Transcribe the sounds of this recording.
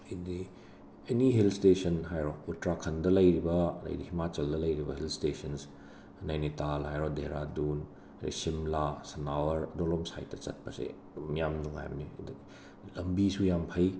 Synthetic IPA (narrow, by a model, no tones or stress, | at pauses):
idi | ɐniɦelstesɐnɦajɾɔutɾakʰɐndɐlɐjɾibɐlɐ̰jdihimat͡ʃɐldɐlɐjɾibɐɦelstesɐns | najnitalajɾɔdeɾadun | ɾḭsimlasɐnawɐɾɐdolomsa̰jtːɐt͡ʃɐ̰t̚pɐsḛ | mjamnuŋa̰j̰mnid | lɐmbisujampʰɐj